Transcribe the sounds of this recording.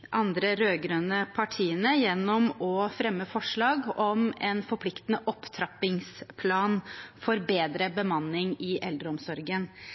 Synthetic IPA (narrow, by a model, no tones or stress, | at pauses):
ʔɑnd̪ɾəɾøːɡɾøːnəpʰɑʈʰiːənəjɛnːɔmɔfɾɛmːəfɔʂɭɑːɡɔmɛnfɔɾpʰlɪkt̪ənəʔɔpːt̪ʰɾɑpɪŋspʰlɑːnfɔɾbeːd̪ɾəbəmɑnːɪŋɪʔɛld̪ɾəɔmsɔɾɡən